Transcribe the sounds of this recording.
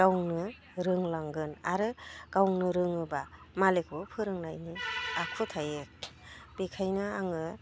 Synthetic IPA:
ɡawŋnɯ | ɾɯŋlaŋɡɯna̰ɾɯɡ̥awŋnɯɾɯŋɯba | malekʰɯpʰɯɾɯŋnajniakʰɯtʰajek̚b̥ikʰajnɯaŋɯ

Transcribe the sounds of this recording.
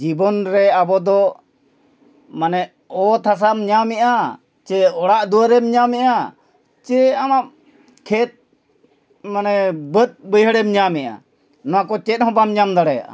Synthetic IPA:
d͡ʒibɔnɾɛabɔd̪ɔ | manɛ | ɔt̪ʰas̬amɲamɛʔa | t͡ʃɛɔɽaʔd̪uwəɾɛmɲamɛʔa | t͡ʃɛamaʔ | kʰɛt̪̚ | manɛbət̪̚bəjɦəɽɛmɲamɛʔa̰ | nɔwakɔt͡ʃɛt̪̚ɦɔ̃bamɲamd̪aɽɛja̰ʔa̰

